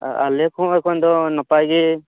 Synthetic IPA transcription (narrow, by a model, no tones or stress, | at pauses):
aalɛkʰɔ̃ɛkʰɔnd̪ɔnɔpajɡɛ